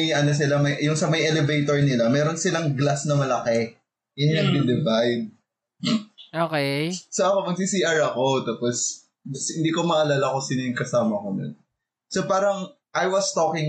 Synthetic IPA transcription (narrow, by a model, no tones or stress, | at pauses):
jʔɐnos̬ɪlamɐjjʊŋsɐmɐjʔɛlɛvejt̪oɹnɪlamɛːɾonsɪlɐŋɡlasnɐmɐlɐkɛ | ʔɛnɪnɐɡd̪ɪd̪ɛvajn | okesoʔɐkomɐɡsisiʔɐɹɐko̞t̪aːpos | hɪ̃nd̪iːkomɐʔɐlaːlɐko̞sinɪŋkɐsaːmɐkonʊ̰n | sopaːɾɐŋ | ʔajwɐst̪okɪŋ